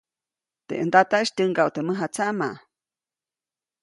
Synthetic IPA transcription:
t̪ḛʔənd̪at̪aʔʃt̪ʲəŋɡawt̪eməɦat͡saʔma̰ʔ

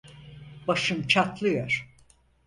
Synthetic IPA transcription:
baʃɯmt͡ʃʰat̪lˠɯjoɾ̥

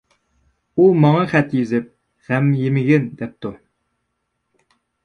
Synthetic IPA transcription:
umɑŋɑχæt̪jizɪp̚ | ʁ̥æmjimɪɡɪnd̪ɛp̚t̪ʊ

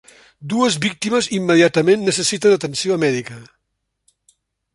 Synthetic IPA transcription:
d̪uəzβik̚t̪iməzimːəðiat̪əmenːəsəsit̪ənd̪ət̪ənsioəmɛðikə

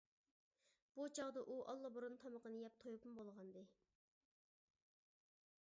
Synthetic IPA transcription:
b̥ut͡ʃʰɑʁd̪ɑʔuʔɑ̰lˠːɑbuɾunt̪ʰɑməqənɨjɛp̚t̪ʰojupʰumbolˠʁɑnd̪ɨ

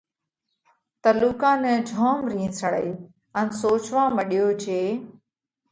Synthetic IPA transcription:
t̪əluːkãːnɛ̃ːd͡ʒʱoːmɾĩːsəɽəiː | ənsoːt͡ʃʋãːməɗɪjoːd͡ʒeː

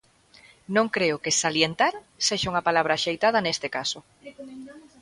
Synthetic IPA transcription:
nõŋkɾeʊkesaljent̪aɾ | seʃauŋapalaβɾaʃejt̪að̞ɐnest̪ekaso

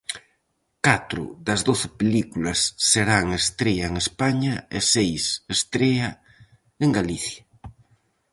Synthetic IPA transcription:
kat̪ɾʊ̰ðɐzðoθɪpelikulɐsːeɾaŋest̪ɾeaeŋespaɲɐḛsejsest̪ɾeɐ | eŋɡaliθjɐ

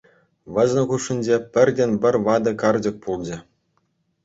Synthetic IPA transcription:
ʋɤ̆zʲnʲɘ̆χuʂːɘ̆nʲd͡ʑepʲɘ̆rʲdʲenʲbʲɘ̆rʲʋɑd̪ɤ̆kɑrd͡ʑɤ̆k̚pulˠd͡ʑɘ̆

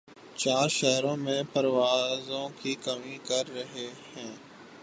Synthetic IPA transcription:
t͡ʃaːɾʃɛɦɾõːmẽpəɾʋaːzõkiːkəmikəɾːɐɦehɛ̃ː

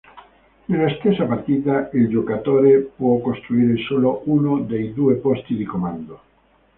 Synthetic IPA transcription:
nelast̪esːapart̪iːt̪aild͡ʒokat̪oːɾepwɔkost̪ɾuiːɾesoloʔunod̪ejd̪uːepɔst̪id̪ikomand̪o

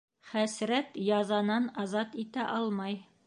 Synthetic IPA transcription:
χæsɾæt̪jɑzɑnɑnɑzɑt̪it̪æʔɑlˠmɑj

